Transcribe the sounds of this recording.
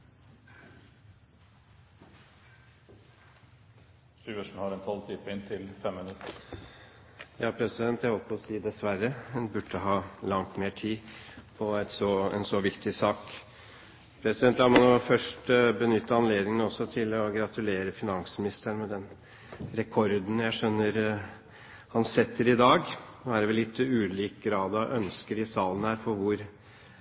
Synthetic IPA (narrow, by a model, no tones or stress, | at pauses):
sʉːəʂɳ̩hɑɾɛnt̪ʰɔlt̪ʰyːpəɪnt̪ʰɪlfɛmmɪnʉt̪ːə | jɑːpʰɾɛsɪd̪ɛnt̪jæɪhɔlpʰɔssiːd̪ɛsʋæɾːəɛnbʉʈːəɦɑːlɑŋt̪meːʈʰiːpʰɔæt̪sɔɛ̰nsɔʋɪkt̪ʰɪsɑːk | pʰɾɛsɪd̪ɛnt̪lɑːɾmɑnuːfœʂʈbənʏt̪ːəɑnleːd̪nɪŋənɔsːɔt̪ʰɪlɔɡɾɑt̪ʉleːɾəfɪnɑŋsəmɪnɪst̪əɳmɛd̪ɛn | ɾɛkʰɔɾd̪n̩jæɪʂœnːəɾ | hɑnsɛt̪ʰːəɾɪd̪ɑːɡnoːæɾʋɛllːɪt̪ːʉːliːk̚ɡɾɑːd̪ɔʔœnskəɾɪsɑːlənhæːɾfɔɾʋʊɾ